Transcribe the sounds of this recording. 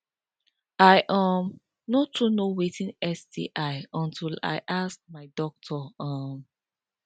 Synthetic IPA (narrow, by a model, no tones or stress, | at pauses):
aɪʔam | notʰunowetĩnɛsdḭʔaɪɔ̃ntʰila̰ɪʔas̚maɪdɔk̚tʰɔam